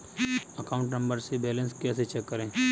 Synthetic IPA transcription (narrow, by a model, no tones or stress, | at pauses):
əkaʊ̃ɳʈnə̃mbəɾsebɛːlə̃nskɛːset͡ʃɛkːəɾẽː